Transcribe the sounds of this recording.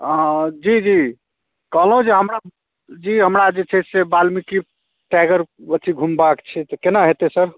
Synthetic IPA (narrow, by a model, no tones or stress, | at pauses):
d͡ʒid͡ʒi | kəɦlũd͡ʒeɦəmɾa | d͡ʒiɦəmɾad͡ʒet͡ʃʰɛsebalmiki | ʈaɡəɾbət͡ʃ̪ʰiɡʱumbakt͡ʃʰɛt̪əkenaɦet̪esəɾ